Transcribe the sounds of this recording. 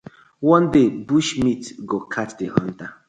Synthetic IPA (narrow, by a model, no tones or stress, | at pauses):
wɔ̃ndebuʃmitɡokʰatdeʔɔ̰̃nta